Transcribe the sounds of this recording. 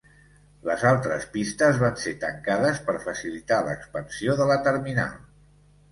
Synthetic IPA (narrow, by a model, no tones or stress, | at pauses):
ləzalˠt̪ɾəspist̪əzβanset̪əŋkaðəspəɾfəsilit̪alə̰kspənsioðələt̪əɾmina̰lˠ